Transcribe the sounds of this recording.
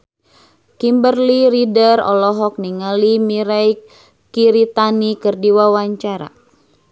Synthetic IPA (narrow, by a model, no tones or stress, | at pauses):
kimbərliɾidərɔ̰lɔɦɔk̚niŋalimiɾaj | kiɾit̪anikɨrdiwawaɲt͡ʃaɾa̰